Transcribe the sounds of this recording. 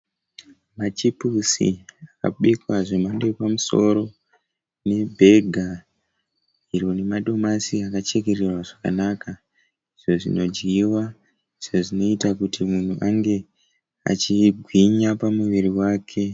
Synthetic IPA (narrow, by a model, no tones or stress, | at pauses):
mat͡ʃipusḭaka̰ɓekwaʐemandepamuso̞̰ɾo̞ | ne̞bʱe̞ɡʱa | iɾone̞maɗo̞masiakat͡ʃe̞ke̞rerwaʐaka̰nakʰa | iʐo̞ʐino̞d͡ʒɡiwa | iʐ̥oʐino̞itakutimun̤uʔaŋɡe̞ | a̰t͡ʃiɡʱwiɲapamuʋiriwaːkʰe̞